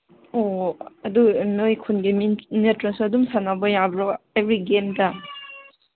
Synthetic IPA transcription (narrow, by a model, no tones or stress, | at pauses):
oɐdumiojkʰunɡimnetɾɐsuɐdumsanabɔjabɾoebɾiɡemdɐ